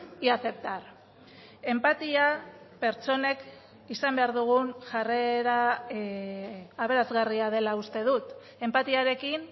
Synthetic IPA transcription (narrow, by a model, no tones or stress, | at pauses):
iaθe̞p̚t̪ar | e̞mpat̪ia | pe̞ɾt͡so̞ne̞k | isambe̞aɾðuɣ̞unʝare̞ɾa | aβe̞ɾazɣariað̞e̞laust̪e̞ðut̪ | e̞mpat̪iaɾe̞kin